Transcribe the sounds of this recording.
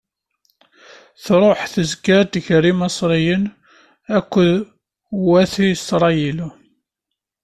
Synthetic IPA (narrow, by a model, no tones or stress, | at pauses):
θɾˤoħθəzkæd̪ʝɾimɑsˤɾijən | ækʷːəð | wæθisɾˤɑjil